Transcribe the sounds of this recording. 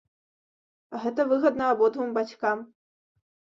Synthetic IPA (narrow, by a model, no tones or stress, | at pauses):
aɣɛt̪̬ɐvɨɣɐd̪nɐːbɔd̪vɨmbat͡sʲkam